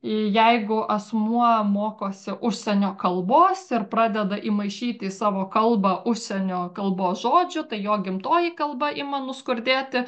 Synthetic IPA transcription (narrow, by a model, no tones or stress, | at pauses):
ɪjɛɪɡʊʔɐsmuɔmoːkoːsʲɪʔʊʃʲsʲɛnʲoːkɐlˠboːsɪrpɾɑːd̪ʲɛd̪ɐʔimɐɪʃʲiːt̪ʲɪɪsɑːʋoːkɐlˠbɐʔʊʃʲsʲɛnʲoːkɐlˠboːsʒoːd͡ʒʲʊt̪ɐɪjoːɡʲɪmt̪oːjikɐlˠbɐʔimɐnʊskʊɾʲd̪ʲeːt̪ʲɪ